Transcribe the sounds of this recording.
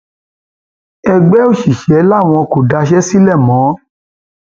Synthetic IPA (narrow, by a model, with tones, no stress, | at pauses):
ɛ˧ɡ͡bɛ˦o˦˨ʃi˨ʃɛ˨˦la˦˨w̃ɔ̃˧ko˨da˧ʃ̬ɛ˦si˦lɛ˦˨mɔ̃˨˦